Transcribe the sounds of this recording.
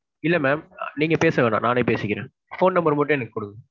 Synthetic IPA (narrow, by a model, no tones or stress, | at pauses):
ɪlːɐmɛːmniːŋɡɐpeːsɐʋeːna̰ːnaːneːpeːsɪkʲːɪɾẽː | foːnnɐmbɐɾmɐʈ̬ːɐ̃ɛnɐkːɯkʊɽɯkː